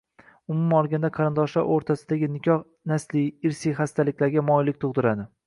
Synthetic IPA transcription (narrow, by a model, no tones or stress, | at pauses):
ʊmʊmaɒlˠɡʲand̪aqʰɑɾɪnd̪ɒʃlaɾoɾt̪ʰasɪd̪aɡʲɪnɪkʲʰɒh | naslɪɪɾsiχast̪ʰalɪkʲlaɾɡʲamɒjlɪk̚ʲt̪ʰʊʁd̪ɪɾad̪ɪ